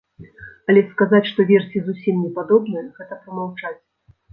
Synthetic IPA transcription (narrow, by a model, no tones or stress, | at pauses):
ɐlʲɛskazat͡sʲʂt̪ɔvʲɛrsʲizusʲimnʲɛpad̪ɔbnɨjɣɛt̪ɐpɾɐmawt͡ʂat͡sʲ